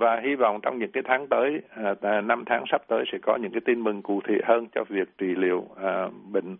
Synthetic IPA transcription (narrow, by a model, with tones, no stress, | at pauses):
vaː˨˩ɦi˧va̰˧˨wŋ͡mt͡ɕɔ˧wŋ͡mɲɨ̰˧˥ŋkaː˨˦jt̪ʰaː˨˦ŋt̪əː˨˦jna˧mt̪ʰaː˨˦ŋsa˦˥p̚t̪əː˨˦jsɛ̰˧˥kɔ˨˦ɲɨ̰˧˥ŋkaː˨˦jt̪i˧nmɨ˨˩ŋku˧˩t̪ʰḭ˧˨əhəː˧nt͡ɕɔ̰˧vi˨˩ək̚t͡ɕi˧˩lḭ˧˨əwːɓḭ̈˧˨ŋ̟